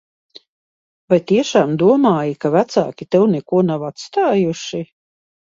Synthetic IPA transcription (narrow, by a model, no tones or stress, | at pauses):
vajt̪iɛʃaːmd̪uɔmaːjikavæt̪sa̰ːkʲit̪ɛwnɛkuɔnawat̪st̪aːjuʃi